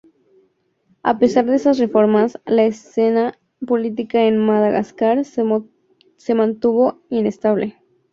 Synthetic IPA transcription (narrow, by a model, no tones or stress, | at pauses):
a̰pe̞saɾðesasre̞fo̞ɾmaslaese̞na | po̞lit̪̬ikae̞nmaðaɣa̰skaɾ | se̞mãnt̪uβo̞ine̞st̪aβle̞